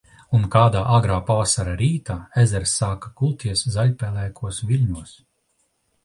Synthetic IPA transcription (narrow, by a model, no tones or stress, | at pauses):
unkaːd̪aːʔaɡɾaːpaːsaɾaɾiːt̪aːezɛɾsːaːkḁkulˠt̪ʰiɛszalʲpʲɛlˠɛːkʰuɔsvʲilʲɲuɔs